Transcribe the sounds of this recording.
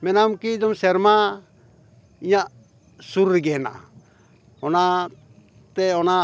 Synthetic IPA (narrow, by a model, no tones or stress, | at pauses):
mɛnamkid̪ɔmsɛɾma | iɲaʔ | suɾːɛɡɛna̰ | ɔna | t̪ɛɔna